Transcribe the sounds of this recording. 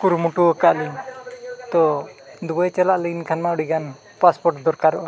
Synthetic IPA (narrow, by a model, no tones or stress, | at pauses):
kuɾmuʈuɔkaʔli | t̪ɔd̪ubɔjt͡ʃɛlaʔləɡinkʰanmauɽiɡan | paspɔɾʈd̪ɔɾkaɾɔʔa